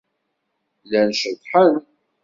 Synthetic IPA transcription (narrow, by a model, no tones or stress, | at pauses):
lænʃəðˤħən